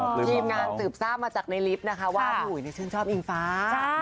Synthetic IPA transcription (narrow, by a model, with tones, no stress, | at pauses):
t̪ʰiː˧mŋaː˧nsɯː˨˩p̚saː˥˩p̚maː˧t͡ɕaː˨˩k̚na˧jli˦˥p̚na˦˥kʰa˦˥waː˥˩pʰuː˨˩˦jni˧˩t͡ɕʰɯː˥˩nt͡ɕʰɔː˥˩mʔi˧ŋfaː˦˥